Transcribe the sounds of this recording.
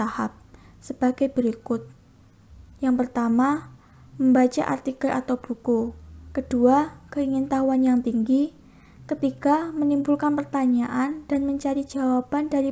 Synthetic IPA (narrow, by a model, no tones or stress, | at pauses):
ahap̚ | səb̥aɡajbəɾikʊt̪̚ | jaŋpərt̪ama | məmbat͡ʃa̰ʔa̰rt̪ikəlʔa̰t̪awb̥ukukəd̥uakəiŋint̪aɦuanjaŋt̪iŋɡi | kət̪ikamənimbulkanpərt̪aɲaʔand̥anməɲt͡ʃaɾid͡ʒ̥awab̥andaɾi